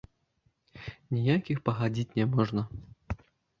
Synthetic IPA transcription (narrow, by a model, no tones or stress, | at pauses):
nʲijakʲixpɐɣad͡zʲit͡sʲnʲɛmɔʐnɐ